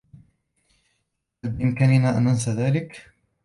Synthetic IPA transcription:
hhalbɪʔɪmkaːnɪnaːʔanʔans̬aðaːlɪk

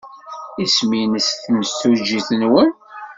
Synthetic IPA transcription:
isminəsθməst̪ud͡ʒiθənwən

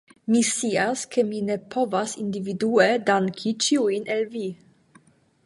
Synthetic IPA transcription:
misiːaskʰəmiːnɛpʰovasɪnd̪ivid̪uːəd̪aŋkʰit͡ʃiwinʔɛlviː

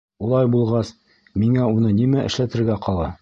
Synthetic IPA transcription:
ulˠɑjbulˠʁɑs | miŋæunɤnimæʔɘ̆ʃlæt̪ɘ̆ɾɡæqɑlˠɑ

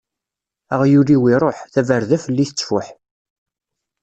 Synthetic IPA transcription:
əʁjuɾiwiɾˤoħθævəɾðæfəlːiθət͡sːfʊħ

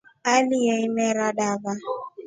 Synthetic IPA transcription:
alijeɪmeɾaɖava

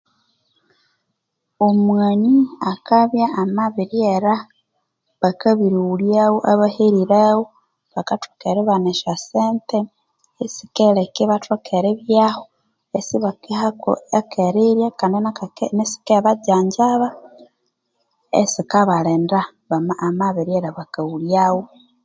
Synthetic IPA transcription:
omwaniakaβjaːmaβiɾieɾa | βakaβiɾiuljawoʔaβaheɾiɾawo | βakatʰokeɾeβaneʃaseːnte | esi̥kelekiβatokʰeɾeβjaho | esiβaakeɾiɾjakandinanesi̥keβaɟaːɲɟaβa | ḛsikaβaleːnda | βamamaβiɾjeɾaβakauljawo

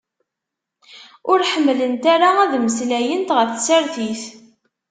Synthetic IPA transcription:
ʊɾħəmːlənt̪aɾaæðməslæjənt̪ʁəfθsəɾθiθ

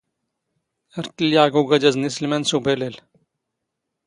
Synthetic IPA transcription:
ɐɾtiljaːɡoɡɐd͡ʑɐznislmensubelel

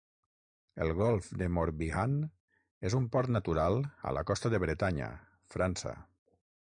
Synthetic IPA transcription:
əlˠɣɔlˠfd̪emoɾβiɣan | ezumpɔɾt̪nat̪uɾalˠə̰la̰kɔst̪əðəβɾet̪aɲə̰ | fɾansə̰

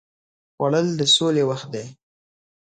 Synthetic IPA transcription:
xwaɽəld̪əsolewaxt̪̚d̪e

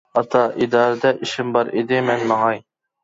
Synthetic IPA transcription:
ɑt̪ʰɑʔid̪ɑːɾɨd̪ɛʔiʃɪmbɑɾed̪ɪmɛnmɑŋɑj

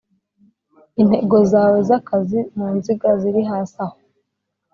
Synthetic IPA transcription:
in̥he̞ɡo̞zaːwe̞zakazimuːnziɡaziɾiɦaːsaho

